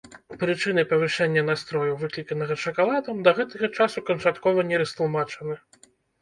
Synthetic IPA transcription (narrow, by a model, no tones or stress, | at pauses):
pɾɨt͡ʂɨnɨpɐvɨʂɛnʲːɐnast̪ɾɔjɐwvɨklʲikɐnɐɣɐt͡ʂɐkalˠad̪ɐmd̪ɐɣɛt̪ɐɣɐt͡ʂasukɐnt͡ʂat̪kɔvɐnʲɛɾɐst̪lˠmat͡ʂɐnɨ